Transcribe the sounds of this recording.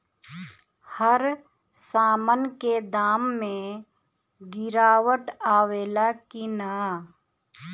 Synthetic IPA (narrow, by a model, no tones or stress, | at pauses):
həɾ | saːmənked̪aːmːẽ | ɡɪɾaːwəʈaːʋeːlakinaː